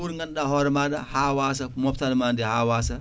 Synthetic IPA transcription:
uɾŋɡanɗahɔɾɛmadahawaːs̬amɔptalmandɛhawaːsa

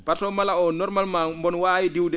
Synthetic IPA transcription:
batɔmalaɔnɔɾmalmambɔnwaːwidiwdɛ

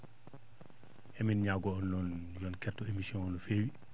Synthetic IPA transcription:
ʔɛminɲaɡɔɔnlɔnjɔnkɛtːɔemisiɔnɔnɔfeːwi

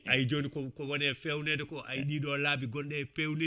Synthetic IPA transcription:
ajd͡ʒoːnikɔkɔwɔnɛfɛwnɛdɛkɔʔajɗiːɗɔlaːbiɡɔnɗɛfewnɛ

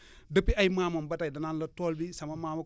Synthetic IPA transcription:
dəpːiajmaːmɐmbɐtajdɐnanlɐtoːlbisɐmɐmaːmɐ

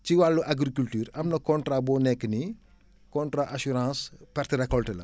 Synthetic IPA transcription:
ciwalːuʔaɡɾikyltyːɾɐmnɐkɔntrabɔːnɛkːəni | kɔntɾaʔasuɾãːspɛrtiɾɛkːɔltɛlɐ̰

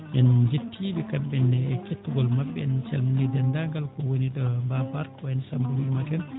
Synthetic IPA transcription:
ʔɛnd͡ʒetʰːibɛkabːɛnɛketːuɡɔlmabːɛɛnt͡ʃɛlminidɛndaŋɡalkɔwonidɔmbabaɾkɔɛnsambuwimatɛn

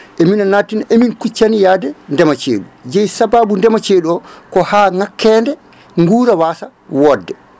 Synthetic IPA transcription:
ʔeminanatinaʔeminkut͡ʃːanijaːdɛndɛmat͡ʃḛːɗud͡ʒɛjsabaːbundɛmat͡ʃeːɗuɔkɔhaːŋakːɛːndɛ | ŋɡuːɾawaːsa | wɔdːɛ

